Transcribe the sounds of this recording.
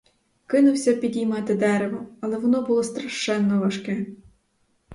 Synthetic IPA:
kɪnʊwsʲɐpʲid̪ʲijmɑt̪ɪd̪ɛɾeʋɔɐlˠɛʋɔnɔbʊlˠɔst̪ɾɐʃt͡ʃɛnːɔʋɐʃkɛ

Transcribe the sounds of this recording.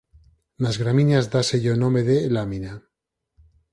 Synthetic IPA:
nazɣɾaminazd̪aseʝonõmeðelamina

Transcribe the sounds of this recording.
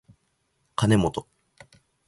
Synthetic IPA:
kane̞mot̪o

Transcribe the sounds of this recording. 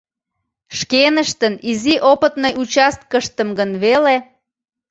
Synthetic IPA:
ʃkenəʃt̪əniziʔopət̪nəjʔut͡ɕɑst̪̚kəʃt̪əmɡənβele

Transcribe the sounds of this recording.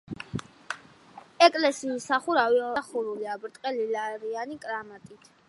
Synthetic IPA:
ɛkʼlɛsiːsaχuɾaviɔaχuɾuliabɾt̪ʼqʼɛlilaɾianikʼɾamat̪ʼit̪ʰ

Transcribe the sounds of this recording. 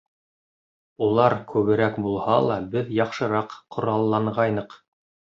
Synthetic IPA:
ulˠɑɾkʉβɘ̆ɾækbulˠhɑlˠɑbɘðjɑqʃɤ̆ɾɑqʰːŏɾɑlˠːɑɴʁɑjnɤq

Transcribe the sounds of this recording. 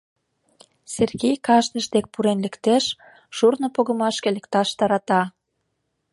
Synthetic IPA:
serɣejkɑʃnə̆ʃd̪ek̚puɾenlĕkt̪eʃ | ʃurnŏpoɣə̆mɑʃkĕlĕkt̪ɑʃt̪ɑɾɑt̪ɑ

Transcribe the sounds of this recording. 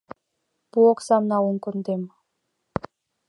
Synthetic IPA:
b̥uoksɑmnɑuŋkɵ̆nd̪em

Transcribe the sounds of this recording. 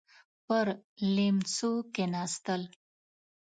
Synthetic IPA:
pəɾlemsukenɑːst̪əl

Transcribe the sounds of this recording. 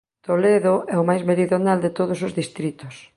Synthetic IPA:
t̪oleðoʔɛomajzmeɾiðonald̪et̪oð̞osozðist̪ɾit̪os

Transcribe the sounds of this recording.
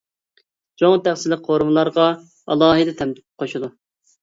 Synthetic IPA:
t͡ʃʰoŋt̪ʰæχsɪlɪk̚qʰoɾmɨlˠɑɾʁɑ | ɑ̰lˠɑːɦɨd̪ɛt̪ʰɛmt̪ʰɪ̥t̪p̚qʰoʃud̪u

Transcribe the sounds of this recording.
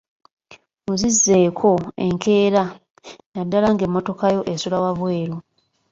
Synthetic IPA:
muzizːe̞ːkʰo̞e̞̰ŋkʰe̞ːɾa | jadːalaŋɡe̞mːo̞to̞kajo̞ʔesulawaβwe̞ːɾu

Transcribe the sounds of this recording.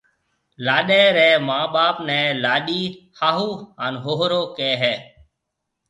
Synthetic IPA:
laːɗɛːɾɛːmãːɓaːpnɛ̃ːlaːɗiː | haːɦuːɦaːnɦoːɦɾoːkɛːɦɛː

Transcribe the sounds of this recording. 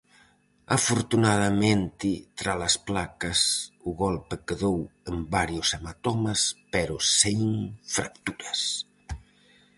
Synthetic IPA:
afoɾt̪unaðɐmẽnt̪it̪ɾalasplakɐsuɣɔlpəkəðowəmbaɾjosamat̪ɔmaspeɾoseŋŋfɾa̰kt̪uɾɐs

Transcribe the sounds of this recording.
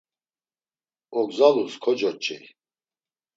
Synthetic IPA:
ɔɡzaluskʰɔd͡ʒɔɾt͡ʃʼɛ̰

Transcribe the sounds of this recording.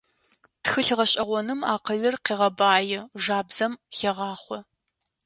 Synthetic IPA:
txɨɬʁɐɕʼɐʁʷɔnɨma̰ːqəɮɨrqiːʁɐbaːjɪʒaːbzɐmxɐʁɑːχʷɔ

